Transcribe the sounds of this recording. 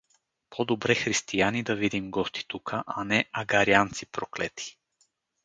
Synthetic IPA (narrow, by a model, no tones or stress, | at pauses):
pʰod̪obɾɛxɾist̪ianid̪ɐvid̪imɡɔst̪i̥t̪ukʰəʔanɛaɡaɾiant̪sipɾoklɛt̪ʰi̥